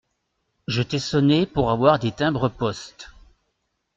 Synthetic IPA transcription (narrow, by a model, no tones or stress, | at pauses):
ʒət̪ɛsɔnepuʁavwaʁd̪et̪ɛ̃bʁəpɔst̪